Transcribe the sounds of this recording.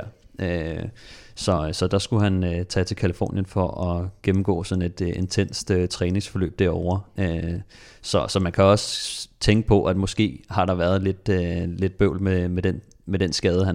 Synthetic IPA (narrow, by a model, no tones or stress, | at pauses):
ɐ̰ | ø | sɒ̽sɒ̽d̥ɑ̈sɡ̥uɦænøt͡sʰɛt͡sʰe̝lkʰælifo̰ːnjənfɒʔɒ̽ɡ̥emm̩ɡ̥ɔ̰̽ːsɒ̽n̩e̝d̥e̝nt͡sʰen̰sd̥øt͡sʰʁɛːne̝ŋsfɒ̽lø̰ːb̥̚d̥æɐɒʊɐø | sɒ̽sɒ̽mænkʰæɒ̽sət͡sʰeŋɡ̥əpʰɒ̽ʔæd̥mɒ̽sɡ̥e̝̰ːhɑ̈ɾ̥ɑ̈ʋæɐðˠle̝d̥øle̝d̥̚b̥øʊ̰lmemed̥en | med̥ensɡ̥ɛːðˠəhæn